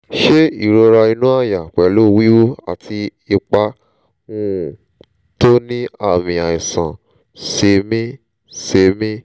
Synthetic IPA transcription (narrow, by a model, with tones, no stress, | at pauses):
ʃe˦ḭ˦˨ɾo˧ɾa˧i˧nũ˦a˦˨ja˨kɛ˨lo˦˨wi˦wo˦a̰˦˨tʰi˧i˧k͡pa˧ | ŋũ˧˦˨ | to˦nĩ˦a˦˨mĩ˧a˨i˨sã˨ | se˧mĩ˦ | se˧mĩ˦